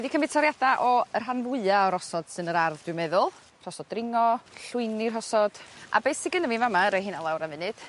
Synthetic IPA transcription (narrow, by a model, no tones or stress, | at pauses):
wɛðikʰəmɪtʰɔɾjadaʔɔər̥ɦanvʊɨaɔɾɔsɔd̥sɨnəɾarðdwɪmɛðʊlˠ | r̥ɔsɔd̚rɪŋɔɬʊɨnirɦɔsɔd̥a̰bejsɪɡənəvivamaəɾejhɨnalˠawɾanvɪnɨd̥